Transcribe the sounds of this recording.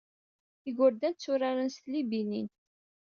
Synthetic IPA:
iɡʊɾd̪ænt̪sʊɾaɾənst̪libinin

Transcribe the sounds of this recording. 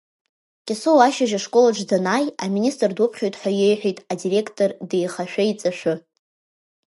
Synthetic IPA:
kʲʼɪsowaʃaʒaʂkʼolaʈ͡ʂdanajaministʼrdʊpʰχʲojtʼħʷᶣajejħʷᶣijtʼadire̞kʰtʼorde̞jχaʃᶣait͡sʼaʃᶣʷʊ

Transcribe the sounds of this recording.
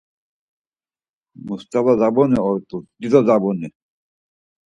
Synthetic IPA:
must̪afazabɔnɛɔɾt̪ud̪id̪ɔzabɔnɛ

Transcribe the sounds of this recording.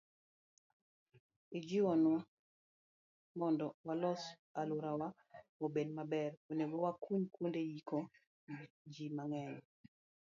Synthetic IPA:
ɪd͡ʒiwɔnwa | mɔndɔwalɔs | alʊɾawa | obedmabɛroneɡowakuɲkwondejiko | d͡ʒimaŋɛɲ

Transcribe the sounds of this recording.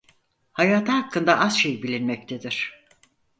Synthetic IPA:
hajaːt̪ʰɯɦakʰːɯnd̪aʔaz̥ʃejbilʲinmɛc̚t̪ʰed̪iɾ̥

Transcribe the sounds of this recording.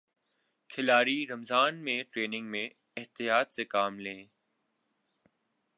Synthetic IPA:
kʰɪlaːɾiɾɐmzaːnmẽʈɾeːnɪ̃ŋɡmẽ | ɪɦt̪ijaːt̪sekaːmlẽː

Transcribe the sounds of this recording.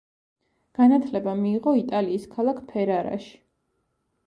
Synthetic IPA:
ɡ̥anat̪ʰlɛbamiːʁɔit̪ʼaliːskʰalˠakʰpʰɛɾaɾa̰ʃi̥

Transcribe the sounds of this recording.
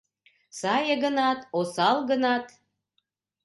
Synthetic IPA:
sɑjə̆ɣənɑt̪osɑlɣənɑt̪

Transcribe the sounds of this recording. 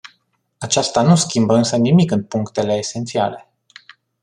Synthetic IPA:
at͡ʃast̪anuskʲimbəɨnsənimikɨnpuŋkt̪e̞le̞ːse̞nt̪sia̰le̞

